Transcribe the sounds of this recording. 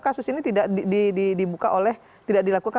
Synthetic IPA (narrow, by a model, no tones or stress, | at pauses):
kasʊsinit̪idaʔidididibukaʔolɛh | t̪idaʔdilakuka